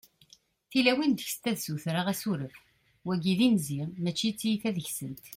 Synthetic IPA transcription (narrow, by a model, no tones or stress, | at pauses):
θilæwind̪əçst̪æðsuθɾaʁæsuɾəf | wæɡiðinziʁmæt͡ʃːit͡sːijiθæðəçsənt̪